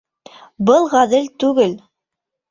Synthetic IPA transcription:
bɤlˠʁæðɘlt̪ʉɡɘl

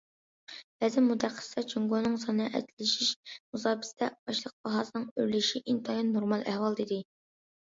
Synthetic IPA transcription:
b̥æzɪnmud̪æqːə̥sd̪ɑt͡ʃʰyŋɡonɨŋsɑnɨʔɛ̰d̪lɪʃiʃmuzɑːbɪ̥st̪ɛbɑʃlˠəq̚bɑɦɑːsɨnɨŋøɾlɪʃiʔint̪ʰɑjɑnnːoɾmɑlˠæhwɑlˠd̪id̪ɪ

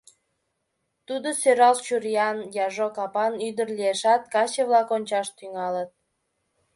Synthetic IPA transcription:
t̪ud̪osøɾɑlt͡ɕurijɑnjɑʒokɑpɑnyd̪ərlieʃɑt̪̚kɑt͡ɕəβlɑkonʲt͡ɕɑʃt̪yŋɑlət̪̚

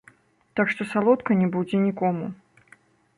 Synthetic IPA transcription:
t̪akʂt̪ɔsalˠɔt̪kɐnʲɛbud͡zʲɛnʲikɔmu

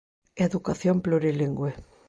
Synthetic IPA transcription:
eðukaθjomploɾeliŋɡwe

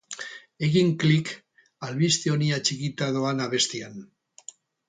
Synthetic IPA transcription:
e̞ɣiŋklik | alβist̪eo̞niat͡ʃikit̪aðoanaβe̞st̪ian

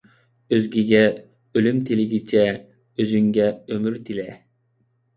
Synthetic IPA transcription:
øzɡʲiɡʲɛ | ølymt̪ʰilɪɡʲit͡ʃʰɛ | øzyŋɡʲɛømyɾt̪ʰilɛ

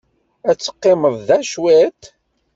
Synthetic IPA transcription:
æt͡sːə̥qːɪməðˤðæʃwæt̪

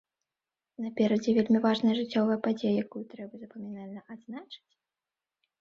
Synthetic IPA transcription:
nɐpʲɛɾɐd͡zʲɛvʲelʲmʲivaʐnɐjɐʐɨt͡sʲːɔvɐjɐpad͡zʲejɐjakujut̪ɾɛbɐzɐpɐmʲɛnalʲnɐʔad̪znat͡ʂɨ̥t͡sʲ

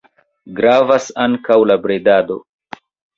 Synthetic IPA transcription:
ɡɾavasaŋkawlabɾed̪ad̪o̰

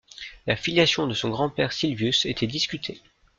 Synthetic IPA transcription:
lafiljasjɔ̃d̪əsɔ̃ɡʁɑ̃pɛʁsilvjyset̪ʰɛd̪iskʲyt̪ʰe

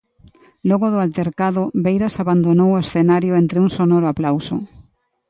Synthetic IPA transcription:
lɔɣoðʊalt̪eɾkaðʊβejɾasaβand̪onowoesθenaɾjoent̪ɾeuŋsonɔɾoaplawso̰

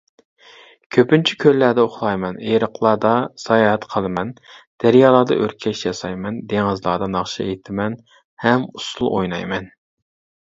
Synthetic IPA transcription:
kʲʰøpynt͡ʃʰikʲʰølːæd̪ɛoχlˠɑjmɛneɾəqʰlˠɑːd̪ɑsɑjɑːɛt̪qʰəlˠɨmɛnd̪̥æɾjɑːlˠɑːd̪ɑ̰ʔøɾkʲʰɛʃjɑsɑjmɛnd̪eŋɨzlˠɑːd̪ɑnɑχʃɑ̰et̪ʰɪmɛn | hɛmusulˠʔo̰jnɑ̰jmɛn

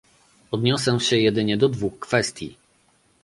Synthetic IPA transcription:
ɔd̪ɲɔsɛ̃ɕɛjɛd̪ɘɲɛd̪ɔd̪vuxkfɛst̪ʲjḭ

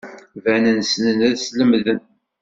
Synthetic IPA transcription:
vænənsnənæðsləmðən

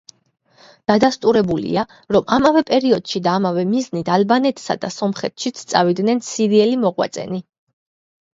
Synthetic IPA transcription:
d̪̥ad̪ast̪ʼuɾɛbulḭa | ɾɔmʔamavɛpʼɛɾiɔd̪̥ʃid̪aːmavɛmiznit̪ʰalbanɛt̪ʰʼsa̰d̪a̰sɔmχɛt̪ʰʃit̪sʰt̪sʼavid̪nɛnsiɾiɛlimɔʁwa̰t̪sʼɛ̰ni

